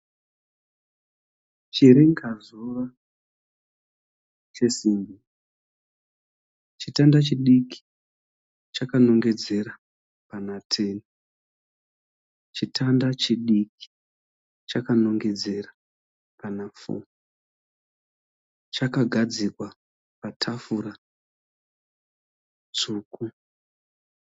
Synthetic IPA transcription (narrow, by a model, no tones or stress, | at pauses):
t͡ʃiɾeŋɡazura | t͡ʃe̞simbi | t͡ʃitandat͡ʃiɗiki̥ | t͡ʃakano̞ŋɡe̞d͡ze̞ra | panatʰeni | t͡ʃitʰandat͡ʃiɗiki̥ | t͡ʃakano̞ŋɡe̞d͡ze̞ra | panafṵmu | t͡ʃakaɡʱad͡zikwa | patʰafura | t͡suːku